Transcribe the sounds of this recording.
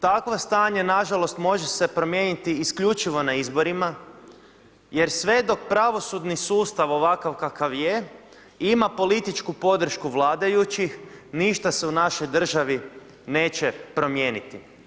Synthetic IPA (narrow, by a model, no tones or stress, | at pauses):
t̪akʋost̪aːɲenaʒalo̞st̪mo̞ʒese̞pɾo̞mje̞ːnit̪iːskʎut͡ʃiʋo̞naizbo̞ɾima | je̞ɾsʋe̞d̪o̞k̚pɾaʋo̞sud̪nisuːst̪aʋo̞ʋakaʋkakaʋje̞ | imapo̞lit̪it͡ʃkupo̞d̪r̩ʃkuʋlˠaːd̪ajut͡ʃixniʃt̪ase̞unaʃo̞jd̪r̩ʒaʋi | ne̞ːt͡ʃe̞pɾo̞mjeːnit̪i